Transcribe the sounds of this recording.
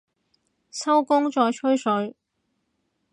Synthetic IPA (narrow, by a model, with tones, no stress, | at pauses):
sɐ˥wkʊ˥ŋt͡ʃɔː˧jt͡ʃʰɵ˥ɥsɵ˨˥ɥ